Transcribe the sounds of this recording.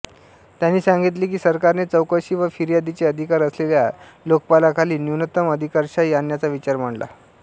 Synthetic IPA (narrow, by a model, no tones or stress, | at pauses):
t̪janːiːsãŋɡit̪̬liːk̬iːsəɾkaɾnet͡səwkəɕiːʋəfiɾijad̪it͡seəd̪ʱikaɾəsleljalokpalakʰaliːnuwnət̪əməd̪ʱikəɾɕaianjat͡saʋit͡ɕaɾm̤əɳla̰